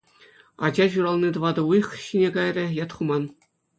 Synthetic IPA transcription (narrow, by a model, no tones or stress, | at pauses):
ɑ̰d͡ʑɑɕuɾɑlˠnit̪ɤ̆ʋɑd̪ɤ̆ujχɕinʲeɡɑjrʲɘ̆jɑt̪χumɑn